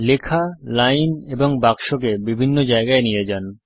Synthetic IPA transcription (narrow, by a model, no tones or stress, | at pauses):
lekʰalajneboŋbakʃok̬ebibʱinːod͡ʑaeɡaenijed͡ʑan